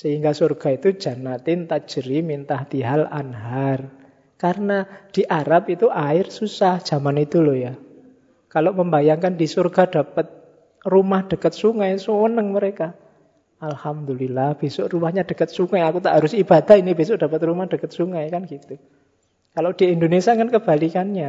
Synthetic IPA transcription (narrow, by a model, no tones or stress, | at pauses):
səiŋɡasorɡ̥a̤it̪u̥d͡ʒ̥a̤nat̪ɪnt̪ḁʒ̥əɾimint̪aht̪iɦala̰nɦar | kaɾənad̥i̤ʔaɾapit̪uʔaɪrsusahd̥ʒ̥a̤manit̪uloja | kaloʔməmbajaŋkand̥isorɡ̥a̤d̥a̤pət̪̚ | rumahɖ̥ə̤kət̪̚suŋajsuwənəŋməɾeka | alhamd̪ulilahb̥esʊʔrumahɲad̥ə̤kət̪̚suŋajakut̪aʔɦaɾʊsib̥ad̪̥aɦinib̥esʊʔd̥a̤pət̪̚rumahd̥əkət̪̚suŋajkanɡ̥it̪u | kaloʔd̥iindonesiaŋənkəb̥alikanɲa